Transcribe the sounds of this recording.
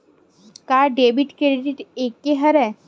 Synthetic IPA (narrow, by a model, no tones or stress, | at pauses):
kaɖebiʈkɾeɖiɖiʈekːeɦəɾɛ